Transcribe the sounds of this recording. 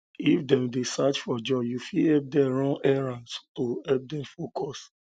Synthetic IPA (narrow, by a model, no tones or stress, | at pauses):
ifdɛ̃mdesat͡ʃfɔd͡ʒɔjufiɛp̚dɛ̃ɹɔ̃ŋɛɹãnstoɛp̚dɛ̃mfokʰɔs